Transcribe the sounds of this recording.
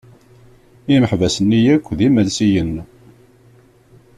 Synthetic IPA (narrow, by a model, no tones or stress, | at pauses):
iməħvæsənːijækʷːðiməlsijən